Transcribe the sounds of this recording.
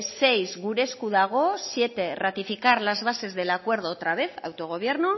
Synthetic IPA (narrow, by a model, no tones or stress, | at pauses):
se̞jzɣuɾe̞skuðaɣ̞o̞sje̞t̪e̞rat̪ifikaɾlazβase̞zðe̞lakwe̞ɾð̞oːt̪ɾaβ̞e̞θa̰wt̪o̞ɣ̞o̞β̞je̞ɾno